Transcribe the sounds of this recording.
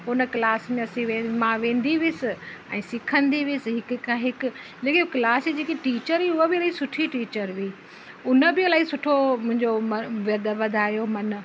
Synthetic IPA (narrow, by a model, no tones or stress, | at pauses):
ʊnəklaːsmẽɐsĩʋẽːmãʋẽːnd̪iʋɪsɪɛ̰̃ːsɪkʰə̃nd̪iʋɪsɪɦɪkʊkãɦɪkʊ̆ | leːkiklaːsid͡ʑeːkiʈiːt͡ɕəɾiʊɦobɪɐlaːisʊʈʰiʈiːt͡ɕəɾʋiː | ʊnəbɪɐlaːisʊʈʰomʊ̃ɦɪ̃ɲd͡ʑomɐʋɪd̪əʋɐd̪ʱaːjomɐn